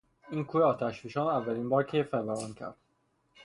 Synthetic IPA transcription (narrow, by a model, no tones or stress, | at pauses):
iːnkʰuːɾeɒːt̪ʰæʃfiʃɒːnævːæliːnbɒːɾcʰefæɾvæɾɒːncʰæ̰ɾd̪̥̚